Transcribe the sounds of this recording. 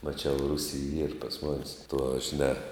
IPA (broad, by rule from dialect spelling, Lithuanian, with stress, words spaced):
mɐˈt͡ʃʲɛʊ ˈrʊsʲiː iːr pɐs ˈmoːnʲeːs tuɔ ʒʲɪˈnʲɛ